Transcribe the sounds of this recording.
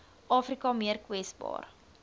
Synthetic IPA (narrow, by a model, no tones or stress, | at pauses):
ʔɑːfrikɐmiərkwɛsbɑ̰ːr